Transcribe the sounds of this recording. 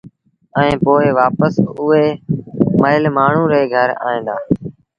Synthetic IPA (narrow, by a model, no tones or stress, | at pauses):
ɛ̃ẽːpoːeːʋaːpəsʊeːməɦɪlmaːɳ̤ũːɾeːɡʱəɾa̰ːĩːd̪aː